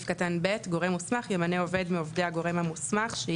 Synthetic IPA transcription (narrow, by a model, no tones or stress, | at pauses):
fkatanbetɡo̞ʁemːusmaχjemaneo̞ve̞dmiovde̞aɡo̞ʁe̞mhamusmaχʃe